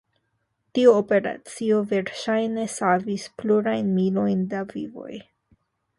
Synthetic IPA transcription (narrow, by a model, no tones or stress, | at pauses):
tiuope̞ɾa̰t͡sio̞ve̞ɾʃajne̞savispluɾajnmilo̞jndavḭvo̞̰j